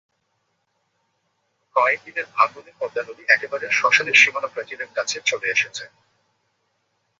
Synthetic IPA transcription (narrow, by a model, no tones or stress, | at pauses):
kɔet̪id̪eɾbʱaɡonepɔd̪ːanoliʔɛkebaɾeɾʃɔʃaleɾʃimonapɾat͡ɕilekkat͡ɕʰet͡ɕʰoleeʃet͡ɕʰe